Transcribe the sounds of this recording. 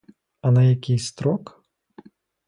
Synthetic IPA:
ɐnɐjakʲijst̪ɾɔk

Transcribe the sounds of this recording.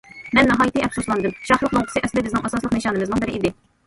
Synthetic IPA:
mɛnːɑɦɑːjit̪ʰiʔɛpsuslˠɑnd̪ɨmʃɑχlˠəqlˠoŋqʰə̥sɨʔɛslɪd̪ɛbɪznɪ̃ŋʔɑsɑslˠəqnɨʃɑːnɨmɨznɨŋbɪɾɪʔid̪ɪ

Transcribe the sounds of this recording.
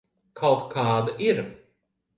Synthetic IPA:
kʰawt̪kʰaːd̪aʔiɾ

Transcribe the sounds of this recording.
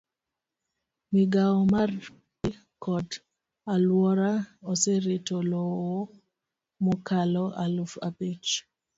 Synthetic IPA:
miɡaɔmar | i | kɔd | alwɔɾaoseɾetolowo | mɔkalɔalufa̰pet͡ʃ

